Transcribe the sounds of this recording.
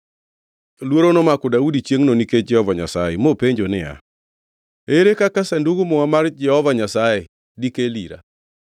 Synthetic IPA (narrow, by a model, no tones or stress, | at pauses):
lwoɾonomakɔdaudit͡ʃjeŋnoniked͡ʒɛhɔvaɲasajɛmopeɲd͡ʒonɪa̰ | eɾekakasanduɡʊmɔamard͡ʒɛhɔvaɲasaje | dikeliɾa̰